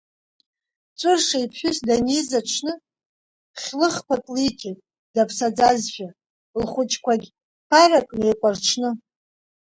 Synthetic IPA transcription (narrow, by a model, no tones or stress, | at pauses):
t͡sʷʼɨrʂaipʰħᶣʏsdanizaʈ͡ʂʰnɨ | χʲlɨχkʷakʼlitʰetʼ | d̥apʰsad͡zazʃʷᶣa | lχʷʊt͡ʃʼkʷʰaɡʲ | pʰaɾakʼnejkʷʼarʈ͡ʂʰnɨ